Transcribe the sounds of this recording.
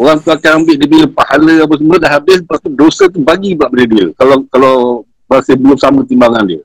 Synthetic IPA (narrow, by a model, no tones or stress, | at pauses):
oɾaŋt̪uakanambɪʔdibiɾəpahaləap̬as̬əmədaʔhɦabɪsbat̪udosət̪ubaɡibaʔbələdiəkalakala | bəasabəlʊm̚samə̃t̪imbaŋandiə